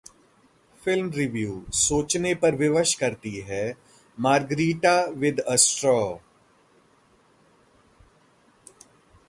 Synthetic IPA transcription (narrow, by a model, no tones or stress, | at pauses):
fɪlmɾɪʋjuːsoːt͡ʃnepɐɾʋɪʋəʃkɐɾt̪iɦɛː | maːɾɡɾiːʈaʋɪd̪əsʈɾɔː